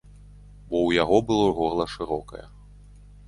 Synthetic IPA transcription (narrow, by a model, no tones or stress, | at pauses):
bɔwjaɣɔbɨlˠɔɣɔrlˠɐʂɨɾɔkɐ̰jɛ̰